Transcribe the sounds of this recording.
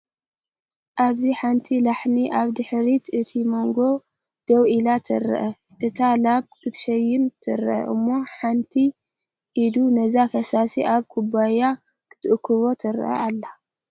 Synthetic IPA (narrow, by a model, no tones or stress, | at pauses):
ʔaβziħant̪ʰilaħmiʔaβd̪ɨħɾit̪ɨt̪ʰimo̞ŋɡo̞ | ɡ̥ɐwʔilat̪ʰɨ̰ɾɨ̰ʔɐ | ʔɨt̪ʰalaβkʰɨt̪ʰʃɐjːɪmt̪ʰɨɾʔɐ̰ʔɨ̰mːo̞ħant̪ʰi | ʔid̪unɐzafɐsasiʔaβkʰubaja | kʰɨ̥t̪ʰɨʔkʰːɨβo̞t̪ʰɨɾʔɐ̰alːa